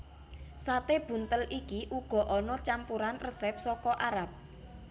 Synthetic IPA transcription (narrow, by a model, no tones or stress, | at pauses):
sat̪eb̥ṳnt̪əlʔikiʔuɡ̥ɔ̤ʔɔnɔt͡ʃampuɾanrəsɛp̚sɔkɔʔaɾap̚